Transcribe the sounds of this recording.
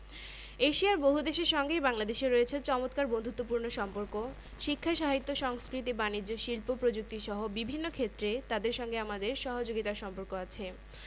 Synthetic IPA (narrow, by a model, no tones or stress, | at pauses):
eʃiaɾboɦud̪eʃeɾʃɔŋɡejbaŋlad̪eʃeɾoet͡ɕʰet͡ɕɔmot̪kaɾbond̪ʱut̪ːopuɾnoʃɔmpoɾko | ʃikʰːaʃaɦit̪ːoʃɔŋskɾit̪ibanid͡ʑːoʃilpopɾod͡ʑuk̚t̪iʃɔɦobibʱinːokʰet̪ːɾet̪ad̪eɾʃɔŋɡeamad̪eɾʃɔɦod͡ʑoɡit̪aɾʃɔmpoɾkoat͡ɕʰe